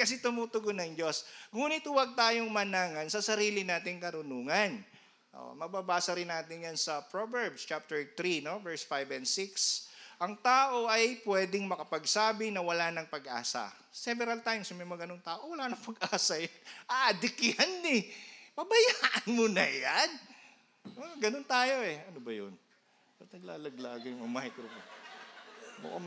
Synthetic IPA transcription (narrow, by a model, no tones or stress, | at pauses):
kɐs̬ɛt̪ʊmuːt̪ʊɡonɐŋd͡ʒo̞sŋuːnɪt̪wɐɡ̚t̪aːjoŋmɐnaːŋɐnsɐsɐɾiːlɪnaːt̪ɪŋkɐɾʊnuːŋɐn | ʔo̰mɐbabaːsɐɾɪnːaːt̪ɪnjansɐpɾovɛɹbst͡ʃap̚t̪ɛɹt̪ɾino̞vɛɹsfajbɛnsɪksʔɐŋt̪aːʔoʔɐjpwɛːd̪ɪŋmɐkɐpɐɡsaːbɪnɐwɐlaːnɐŋpɐɡʔa̰ːsɐ̰ | sɛvɛɾɐlt̪ajmsmɛjmɐɡɐnoŋt̪aːʔowɐlaːnɐŋpɐɡʔaːsɐjɐnʔaʔɐd̪ɪkɪanːɛpɐbɐjaːʔɐnmonɐjan | oɡɐnont̪aːjo̞ɛɐnobɐjo̰n | sɐnɐɡla̰ːlɐɡlaːɡɐjŋɐmajt̪ɾopo | bɐ̰kɐ̰m